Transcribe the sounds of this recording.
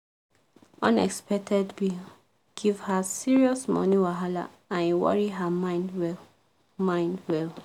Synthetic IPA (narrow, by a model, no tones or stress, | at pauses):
ɔ̃nɛ̰kspɛk̚tʰɛdbi | ɡ̥ivhasiɹiɔsmɔ̰niwaɦala̰ | ãnwɔ̰ɹiɦamãɪ̃ndwɛ | mãɪ̃ndwɛl